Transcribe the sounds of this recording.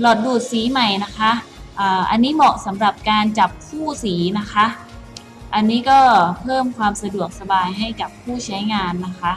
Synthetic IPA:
lɔ˨˩t̪̚duː˨˩t̪̚siː˩˦ma˨˩jna˦˥kʰa˦˥ʔʔɤː˨˩ʔa˧nːiː˦˥mɔː˨˩k̚sa˩˦mɾa˨˩p̚kaː˧nt͡ɕa˨˩p̚kʰuː˥˩siː˩˦na˦˥kʰa˦˥ʔ | ʔa˧nːiː˦˥kɔː˥˩pʰɤː˥˩mkʰwaː˧msa˧du˨˩ək̚sa˧baː˧jɦa˥˩jka˨˩pʰːuː˥˩t͡ɕʰa˦˥jŋaː˧nːa˦˥kʰa˦˥ʔ

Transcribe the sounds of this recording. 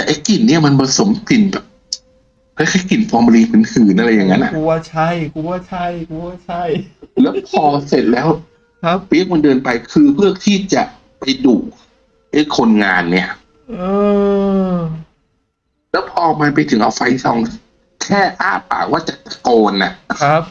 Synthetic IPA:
t̪ɛː˨˩ʔa˧jki˨˩nːi˥˩ɐma˧nba˧so˩˦mki˨˩nbɛː˨˩p̚ | kʰa˧˥kʰaː˦˥˦ki˨˩nfɔː˧m˧liː˧pʰɯ˨˦nhɯː˨˩nʔa˧ɾa˧jːa˨˩ŋːa˦˥nʔa̰˨˩ku˧t͡ɕʰa˥˩jku˧t͡ɕʰa˥˩jku˧t͡ɕʰa˥˩jlɛː˦˥wpʰɔː˧se˨˩t̪̚lɛː˦˥wʰ | pi˦˥ək̚ma˧ndɤː˧npa˧jkʰɯː˧pʰɯ˥˩ək̚t̪ʰiː˥˩t͡ɕa˨˩ʔ | pa˧jduː˨˩k | ʔa˦˥˩jkʰo˧nŋaː˧nːi˦˥˩ɐ | ʔɤː˧ | lɛː˦˥wpʰɔː˧ma˧np̬a˧jt̪ʰɯ˩˦ŋʔa̰˧wfa˧jsɔ˧ŋ | kʰɛː˥˩ʔaː˥˩pa̰ː˨˩kwaː˥˩t͡ɕa˨˩t̪ːa˧koː˧nʔa˨˩ʔp̚

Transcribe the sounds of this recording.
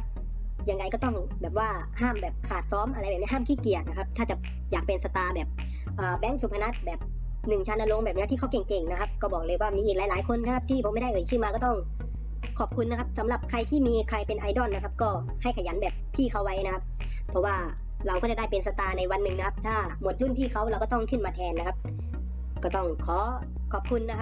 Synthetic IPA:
jaː˨˧ŋda˧jkɔː˥˩t̪ɔ˥˩ŋ | bɛː˨˩p̚waː˧˥˩ | haː˥˩mbɛː˨˩p̚kʰaː˨˩t̪̚sɔː˦˥˨mʔa˧ɾa˧jɛː˨˩i˧˥ɦaː˥˩mkʰiː˥˩ki˨˩ət̪̚na˦˥kʰa˦˥p̚t̪ʰaː˥˩t͡ɕa˨˧˩ | jaː˨˩k̚pe˧nsa˧t̪aː˧bɛː˨˩p̚ | ʔaː˨˩bɛ˦˥˩ŋsuː˨˦pʰa˧na˦˥t̪̚bɛː˨˩p̚ | nɯ˨˩ŋt͡ɕʰaː˧na˧lo˧ŋbɛː˨˩p̚ni˦˥t̪ʰiː˥˩kʰa˧˥˩wke˨˩ŋke˨˩ŋna˦˧kʰa˦˥p̚kɔː˥˩bɔː˨˩k̚lɤː˧jwaː˥˩miː˧ʔiː˨˩k̚lːlaː˨˦jkʰo˧nːa˧˥kʰa˦˥p̚t̪ʰiː˥˩pʰma˥˩˨da˥˩ʔɤː˧˩jkʰɯː˥˩maː˧kɔː˥˩t̪ɔ˥˩ŋ | kʰɔː˨˩p̚kʰu˧nːa˧˥kʰa˧˥p̚sa˩˦mla˨˩p̚kʰa˧jt̪ʰiː˥˩miː˧kʰa˧jpe˧nʔa˧jdɔː˧˥˩nːa˧kʰp̚kɔː˥˩ | ha˥˩jkʰa˧˩ja˨˦nbɛː˨˩p̚pʰiː˥˩kʰa˧˩wːa˨˦jna˦˥kʰa˦˥p̚ | pʰːɔ˧waː˥˩ | ɾa˧wkɔː˥˩t͡ɕa˨˩daː˥˩jpe˨nsa˧t̪aː˧na˧jwa˧nːɯ˨˩ŋna˦kʰa˦˧p̚t̪ʰaː˥˩ | mo˨˩t̪̚lu˧˥˨np̪ʰiː˥˩kʰa˧˩wla˧wkɔː˥˩t̪ɔ˥˩ŋkʰɯ˧˥˩nmaː˧t̪ʰɛː˧nːa˧kʰa˧˥p̚ | kɔː˥˩t̪ɔ˥˩ŋkʰɔː˩˦ | kʰɔː˨˩p̚kʰu˧nːa˦˥˦

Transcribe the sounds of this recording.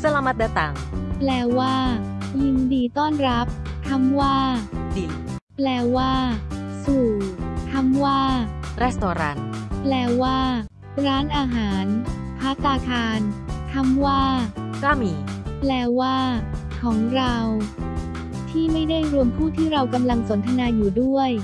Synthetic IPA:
sa˧la˧ma˦˥t̪̚dɛː˧˩t̪aː˨˩ŋplɛː˧waː˥˩ | ji˧ndiː˧t̪ɔː˥˩nɾa˦˥p̚ | t̪ʰa˧˥mwaː˥˩diː˨˩ | plɛː˧waː˥˩suː˨˩t̪ʰa˧˥mwaː˥˩ɾa˦˥˩st̪ɔː˨˩ɾa̰ː˦˥nplɛː˧waː˥˩ | ɾaː˦˥nʔaː˧ɦaː˩˦n | pʰaː˦˥t̪aː˧k̪ʰaː˧nt̪ʰa˧˥mwaː˥˩kaː˥˩miː˩˦plɛː˧waː˥˩kʰɔː˩˦ŋɾa˧w | t̪ʰiː˥˩ma˥˩jda˥˩jɾu˧əmpʰuː˥˩t̪ʰiː˥˩ɾa˧wka˧mla˧ŋso˩˦nt̪ʰa˧naː˧juː˨˩du˥˩əj

